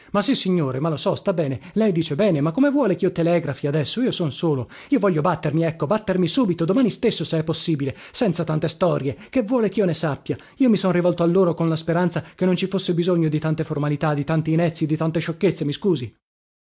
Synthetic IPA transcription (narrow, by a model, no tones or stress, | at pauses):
masːisːiɲːoːɾemalosɔst̪abːɛːnelɛjd̪iːt͡ʃebɛːnemakːomevwɔːlek̟iːɔt̪ːelɛɡɾafiad̪ɛsːoiːosonsoːloiːovɔʎːjːobat̪ːermiɛkːobat̪ːermisuːbit̪od̪omaːnist̪esːoseɛpːosːiːbilesɛnt̪sat̪ant̪est̪ɔɾjekevːwɔːlek̟iːonesapːja | iːomisonrivɔlt̪oalːoːɾokonlaspeɾant̪sak̟enːont͡ʃifosːebizoɲːod̪it̪ant̪eformalit̪ad̪ːit̪ant̪iːnɛt̪sːid̪it̪ant̪eʃokːet̪semiskuːzi